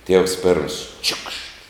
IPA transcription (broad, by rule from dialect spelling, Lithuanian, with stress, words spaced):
ˈtʲiɛws ˈpʲeːrms ˈt͡ʃʲʊkʃt